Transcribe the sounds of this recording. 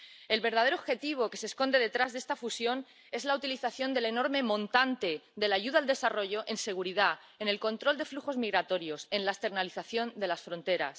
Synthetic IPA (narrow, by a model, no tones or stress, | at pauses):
e̞lβe̞ɾð̞að̞eoβxe̞t̪iβ̞o̞ke̞se̞sko̞nd̪e̞ð̞e̞t̪ɾazðe̞st̪afusjo̞n | e̞zlaut̪iliθaθjo̞nd̪e̞leno̞ɾme̞mõ̞nt̪ant̪e̞d̪e̞laʝuðald̪e̞saro̞ʝo̞ʔe̞nse̞ɣ̞uɾiða | e̞ne̞lko̞nt̪ɾo̞ld̪e̞fluxo̞zmiɣɾat̪o̞ɾjo̞se̞nlaest̪e̞ɾnaliθaθjo̞nd̪e̞lasfɾo̞nt̪e̞ɾa̰s